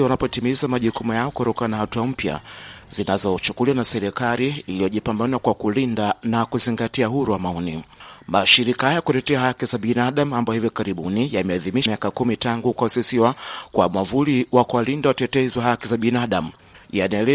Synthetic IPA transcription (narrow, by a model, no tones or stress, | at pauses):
iwanapɔtimizamaʄukumujaɔkutɔkananahatuam̩pja̰zinazɔt͡ʃukuliwanasɛɾikaliːlijɔʄipambanwakwakulindanakuziŋɡatiaɦuɾuwamaɔnimaʃiɾikahajakutɛtɛahakizaɓinaɗamuambajɔhivikaɾiɓunijamɛaðimiʃmiakakumitaŋɡukaɔsisiwakwamwavuliwakuwalindawatɛtɛziwaɦakizaɓinaɗam̩ | janɛlɛ